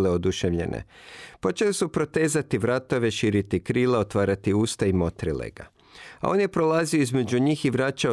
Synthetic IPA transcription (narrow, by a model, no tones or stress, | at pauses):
leod̪uʃeʋʎḛnʔḛpo̞t͡ʃe̞lesupɾo̞t̪e̞ːzat̪iʋɾat̪o̞ʋe̞ʃiːɾit̪ikɾiːleo̞t̪ʋaːɾat̪iuːst̪aimo̞t̪ɾilḛɡa̰ | a̰o̞̰nje̞pɾo̞lˠaːzioizme̞d͡ʑuɲiːxiʋɾaːt͡ʃa